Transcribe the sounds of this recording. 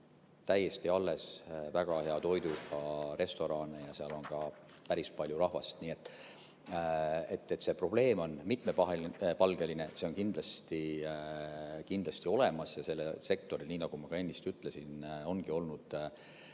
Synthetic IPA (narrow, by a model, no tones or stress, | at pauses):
t̪æjːe̞st̪iɑlːe̞svæɡ̥ɑhe̞ɑt̪o̞jd̪ukɑɾe̞st̪o̞ɾɑːnejɑseɑlo̞nkɑ | pæɾispɑlʲjuɾɑhvɑst̪niːe̞t̪ːˑ | e̞t̪ˑːet̪ːˑse̞pro̞b̥le̞ːmo̞nmit̪me̞pɑɦelipɑlɡeline̞se̞o̞nkind̪̥lɑst̪i | kind̪̥lɑst̪io̞le̞mɑsjɑse̞lːese̞k̚t̪o̞ɾilniːnɑɡ̥umɑkɑe̞nʲːist̪yt̪ːˑle̞sino̞nɡ̥io̞lnud̪̥